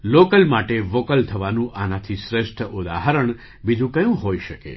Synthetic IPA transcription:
lokəlmaʈeʋokəlt̪ʰəʋanũʔanãt̪ʰisɾeʃʈʰəʔʊd̪a̰ɦəɾəɳ̃ | bid͡ʒũkəjũɦoiʃəkḛ

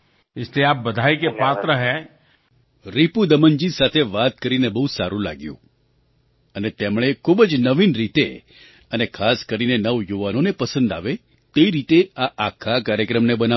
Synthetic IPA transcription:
ɪsleaːp̚bəd̪ʱaikepaːt̪ɾəɦɛ̃ | ɾipud̪əmənd͡ʒisat̪ʰeʋat̪̚kəɾinebəɦusaɾũla̰ɡjṵ̃ | ənet̪emɭ̃ekʰubəd͡ʒnəʋinɾit̪e | ənekʰaskəɾinenəʋjuʋanonepəsə̃nd̪a̰ʋe | t̪eiɾit̪eaʔakʰakaɾjəkɾəmnebəna

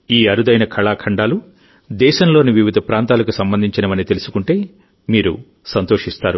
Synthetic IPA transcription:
iːɐɾud̪ɐjnɐkʰɐɭaːkʰɐɳɖaːlu | d̪ɛːʃɐnlo̞ːniʋiʋid̪ʱɐpɾaːnt̪aːlɐkusɐmbɐnd̪ʱiɲt͡ʃinɐmɐnit̪e̞lusu̥kuɳʈe̞ː | miːɾṵ | sɐnt̪o̞ːʂist̪aːɾu

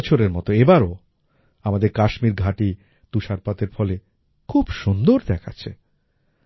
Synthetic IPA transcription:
t͡ɕʰoɾeɾmɔt̪oebaɾo | amad̪eɾkaʃmiɾɡʱaʈi | t̪uʃaɾpat̪eɾfɔle | kʰubʃund̪oɾd̪ɛkʰa̰t͡ɕʰḛ

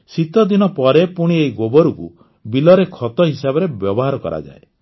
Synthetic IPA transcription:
sit̪ɔd̪inɔpɔɾepuɽ̃iejɡobɔɾukṵ | bilɔɾekʰɔt̪ɔɦisabɔɾebjɔbɔɦaɾɔkɔ̰ɾa̰d͡ʒa̰e

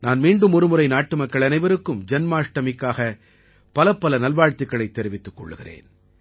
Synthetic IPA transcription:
naːnmiːɳɖɯmʊɾɯmɯɾɐɪnaːʈːɯmɐkːɐɭɐnɐɪʋɐɾɯkːɯmd͡ʒɐnmaːʂʈɐmɪkːaːɣɐ | pɐlɐpːɐlɐnɐlʋaːɻt̪ɪkːɐɭɐɪt̪ːɛɾɪʋɪt̪ːɯkːɔ̰ɭːɯɣɪrḛːn

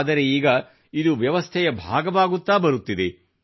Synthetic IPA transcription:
d̪ɐɾe̞iːɡɐ | id̪uʋjɐʋɐst̪ʰɛjɐbʱa̰ːɡɐʋaːɡut̪ːaːbɐɾut̪ːid̪e

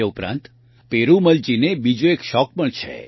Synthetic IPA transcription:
eupɾã̰nt̪ | peɾuməlt͡ʃinebid͡ʒoekʃɔk̚pəɳt͡ʃʰḛ

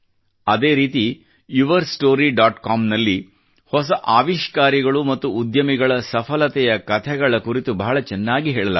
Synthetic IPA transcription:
ɐd̪e̞ːɾiːt̪i | uʋɐɾsʈoːɾiɖaːʈkaːmnɐlːi | hɔs̬ɐʔaːʋiʃkaːɾiɡɐɭumɐt̪ːuːd̪jɐmiɡɐɭɐsɐpʰɐlɐt̪ɛjɐkɐt̪ʰɛɡɐɭɐkuɾit̪ubɐɦɐɭɐt͡ʃɛnːaːɡiɦɛːɭɐlɐ̰

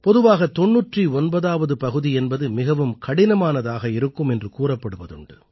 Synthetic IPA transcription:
pɔðɯʋaːɣɐt̪ɔɳːuːʈriɔnbɐðaːʋɐðɯpɐɣɯðiɛnbɐðɯmɪɣɐʋɯmkɐɽɪnɐmaːnɐðaːɣɐɪɾɯkːɯmɛndrɯkuːrɐpːɐɽɯʋɐðɯɳɖɯ

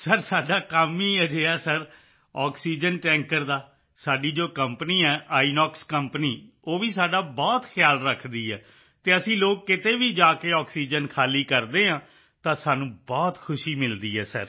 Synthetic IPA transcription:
səɾsaːɖaːkaːmiːɛːd͡ʒeːaːsəɾ | ɔːksiːd͡ʒənʈɛ̃ːŋkəɾd̪aː | saːɖiːd͡ʒoːkəmpəniːɛːʔaːinɔːkskəmpniː | oːʋiːsaːɖaːbɔːt̪kʰjaːlɾəkʰd̪iːɛ̰ː | t̪eːəsĩːloːkːɪt̪eːʋiːd͡ʒaːkeːɔːksiːd͡ʒənkʰaːliːkəɾd̪eːɦãː | t̪ãːsaːnũːbɔːt̪kʰʊʃiːmɪld̪iːɛːsə̰ɾ

